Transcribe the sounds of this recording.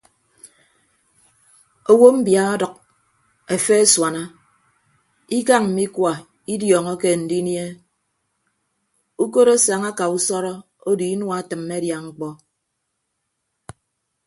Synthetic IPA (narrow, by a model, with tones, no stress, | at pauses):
o˨wo˦m̩˦bja˨ɔ˦dʌ˨k̚ | e˨fe˦swa˨na˦ | i˦ka˦ŋm̩˨mi˦kwa˨ | i˦djɔː˨ŋɔ˦ke˦˨n̩˨di˦nje˦ | u˦ko˦ɾo˦sa˨ŋa˦ka˨u˦sɔ˦ɾɔ˦ | o˦di˨i˦nwa˦˨˦tɨ˨mːe˦dja˨ŋ͡m̩˦k͡pɔ˦